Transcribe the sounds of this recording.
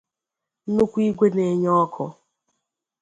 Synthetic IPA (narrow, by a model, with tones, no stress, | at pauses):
nʊ˦kʷi˦ɡʷe˦ne˨˦ɲɔ˦kʰʊ˦